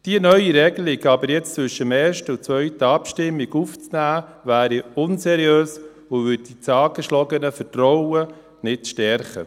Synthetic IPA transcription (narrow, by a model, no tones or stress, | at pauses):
d̥iənœʏiɾɛɡəlɪɡɑbəɾjɛt͡st͡sʋʏʃəmeːɾʃtəʊt͡sʋœʏtəɑpʃtɪmːiɡuft͡snæːvæːɾiʊnsɛɾiøːs | ʊvʏd̚dit͡sɑːɡəʃlɔɡənəfərtrɔwə | nɪtʃtɛɾχə̰